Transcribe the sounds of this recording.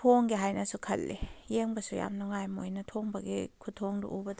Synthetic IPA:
tʰoŋɡiɦajnɐsukʰɐ̰lːḭjeŋbɐsuja̰mnuŋajmojnɐtʰoŋbɐɡikʰutʰoŋdṵʔubɐd

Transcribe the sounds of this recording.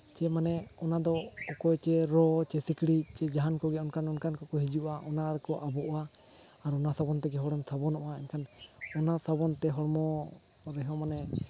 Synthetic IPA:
t͡ʃɛmanɛɔnad̪ɔɔkɔjt͡ʃɛɾɔt͡ʃɛsikɽiʔt͡ʃɛd͡ʒaɦankɔɡɛɔnkʰanɔnkankɔkɔɦid͡ʒuʔaʔɔnaɾɛkɔʔabɔʔa | aɾɔnasabɔnt̪ɛɡɛɦɔɽɛmsabɔnɔʔaɛɲkʰan | ɔnasabɔnt̪ɛɦɔɽmɔ | ɾɛɦɔmanɛ

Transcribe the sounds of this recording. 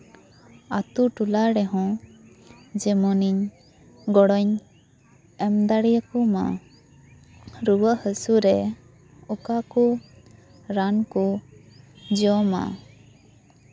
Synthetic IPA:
at̪uʈulaɽɛɦɔ̃ | d͡ʒɛmɔniɲ | ɡɔɽɔɲ | ɛmd̪aɽijakɔma̰ | ɾuwəʔhəsuɾɛ | ɔkakɔ | ɾankɔ | d͡ʒiɔma̰

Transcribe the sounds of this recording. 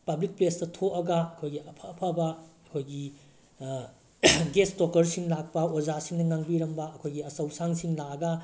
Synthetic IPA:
pɐblik̚plestɐtʰoʔɐɡɐɐkʰojɡiɐpʰapʰabɐɐkʰojɡi | ɡestokɐɾsiŋlak̚pɐod͡ʒasiŋnɐŋaŋbiɾɐmbɐːɐkʰojɡiɐsɐwsaŋsiŋlaɐɡɐ

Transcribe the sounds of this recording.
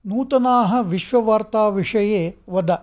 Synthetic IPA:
nuːt̪ɐnaːɦɐ̆ʋiʃʋɐʋaːɾt̪aːʋiʂɐjeːʋɐd̪ɐ

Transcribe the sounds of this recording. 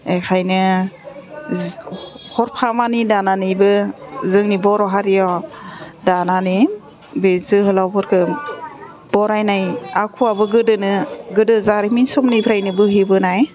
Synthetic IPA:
ekʰajnɯ | hɔɾpʰamanidananɯjbɯzɯŋnibɔɾɔɦaɾijɔ | danani | bezɯɦɯlawpʰɔɾkʰɯ | bɔɾajnajakʰuabɯɡɯdɯnɯɡɯdɯzaɾiminsɔmnipʰɾajnɯbɯɦibɯnaj

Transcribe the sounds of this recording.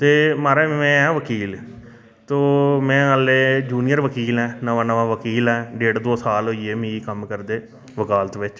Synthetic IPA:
t̪eːmaːɾeːɛ̃ːɛ̃ːʋəkiːl | t̪oːmɛ̃ːəleːd͡ʒuːnijəɾʋəkiːlɛ̃ːnəʋãːnəʋãːʋəkiːlɛ̃ːɖeːɽd̪oːsaːlɦoiːeːmĩːikəmkəɾd̪eː | ʋəkaːlt̪ʋɪt͡ʃ

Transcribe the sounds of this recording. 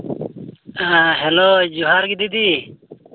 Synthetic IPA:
aɦɛlod͡ʒuɦaɾɡid̪id̪i

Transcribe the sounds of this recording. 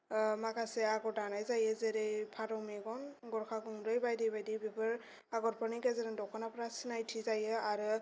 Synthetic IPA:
makaseaɡɔtanajzajɯzeɾejpʰaɾɔmeɡɔnɡɔɾkʰakuŋɾɯjbajdijbajdijbebɯɹ | aɡɔɾpʰɔnikɛzeɾandɔkʰɔnapɾasinajtʰizajɯaɾɯ

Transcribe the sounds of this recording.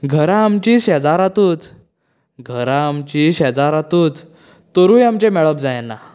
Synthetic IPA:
ɡʱəɾaːmt͡ɕiːɕɛd͡zaɾat̪uːt͡s | ɡʱəɾaːmt͡ɕiːɕɛd͡zaɾat̪uːt͡s | t̪əɾũːjamt͡ɕemɛɭəpd͡zajena

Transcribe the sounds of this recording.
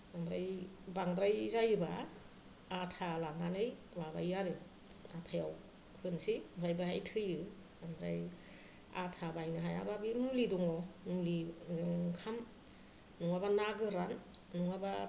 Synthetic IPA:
amɾajbaŋdɾajzajɯbaː | tʰalaŋanɯj | waba̰jaɾɯ | atʰajaw | hɯnsiɾajbaɦa̰jtʰɯjɯ | amɾa̰j | a̰tʰabajnɯɦaja̰babinulidɔŋɔnuliɯŋkʰam | nuŋabanaɡɯɾanː | uŋaba

